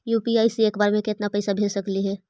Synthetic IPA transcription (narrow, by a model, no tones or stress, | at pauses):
juːpiaːisieːkbaːɾmẽkɪt̪napɐɪsabʱeːd͡ʒsɐkliɦɛː